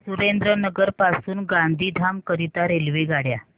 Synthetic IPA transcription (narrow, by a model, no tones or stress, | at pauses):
suɾend̪ɾənəɡəɾpasuːnɡand̪ʱiːd̪ʱamkəɾit̪aɾelʋeɡaɽja